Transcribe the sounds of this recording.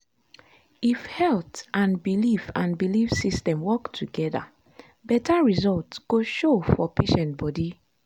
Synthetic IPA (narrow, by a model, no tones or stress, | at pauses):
ifhɛltʔãnbilifãnbilifsistɛ̃mwɔktʰuɡɛða̰ | bɛtaɹizɔltsɡ̥oʃofɔpʰeʃɛ̃nt̚bɔdi